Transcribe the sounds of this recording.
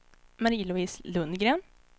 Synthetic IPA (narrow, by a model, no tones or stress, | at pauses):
mɑɾiːlʊiːslʉnɡɾeːn